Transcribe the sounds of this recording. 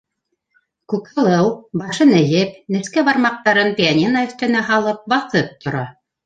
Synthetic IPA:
kʉkɑlˠɤwbɑʃɤnɘ̆jɘpnɘ̆skæβɑɾmɑq̚t̪ɑɾɤnpʲianʲinaɵ̆θt̪ɘ̆næɦɑlˠɤp̚bɑθɤp̚t̪ŏɾɑ

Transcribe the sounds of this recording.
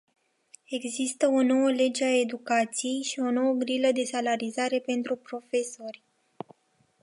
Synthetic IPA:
e̞ɡzist̪əo̞no̞wəle̞d͡ʒeae̞d̪ukat̪sije̞jʃio̞no̞wəɡɾiləd̪e̞salaɾizaɾe̞pe̞nt̪ɾupɾo̞fe̞so̞rʲ

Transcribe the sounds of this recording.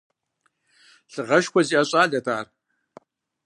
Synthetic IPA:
ɬɨʁɐʃkʷɔziːaɕʼaːɮɐtʰaːr

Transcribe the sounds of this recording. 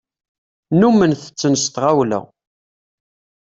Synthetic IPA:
numənθə̥t͡sːənəst̪ʁawlə̰ʁ

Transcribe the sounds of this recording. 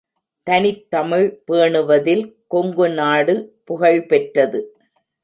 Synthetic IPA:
t̪ɐnɪt̪ːɐmɪɻpeːɳɯʋɐðɪlkɔŋɡɯnaːɽɯpʊɣɐɭpɛʈrɐðɯ

